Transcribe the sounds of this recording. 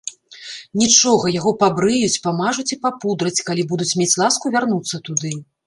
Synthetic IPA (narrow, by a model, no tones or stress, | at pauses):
nʲit͡ʂɔɣɐjaɣɔpabɾɨjut͡sʲpamaʐut͡sʲipapud̪ɾɐt͡sʲkalʲibud̪ut͡sʲmʲet͡sʲlˠaskuvʲarnut̪sːɐt̪ud̪ɨ